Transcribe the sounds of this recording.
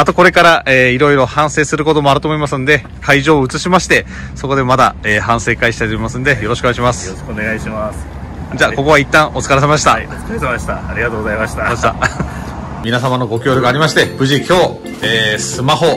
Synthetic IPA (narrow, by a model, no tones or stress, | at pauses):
at̪o̞ko̞ɾe̞kaɾaʔeːiɾo̞iɾo̞hãɰ̃se̞ːsɨɾɯ̟ko̞t̪o̞mo̞aɾɯ̟t̪o̞ːmoimasɨ̃nd̪e̞ | kʰaiʑo̞ːɯ̟t͡sɨɕimaɕi̥t̪e̞ | so̞ko̞d̪e̞mad̪a̰eːhãɰ̃se̞ːkaiɕi̥t̪ait̪omimasɨ̃nd̪e̞jo̞ɾoɕi̥koaiɕimasɨ̥o̥koneɡaiɕimasɨ̥ | d͡ʑaːko̞ko̞βait̪ːãɰ̃ʔo̞t͡sɨ̥kaɾesemaɕi̥t̪at͡skseɕt̪aaɾʲiɡat̪oːɡozaimaɕi̥t̪at̪a | mʲinasamanoɡo̞kʲo̞ːɾʲoɡaːɾʲimaɕi̥t̪e̞b̥ɯ̟ʑikʲo̞ː | eːsɨmaho̞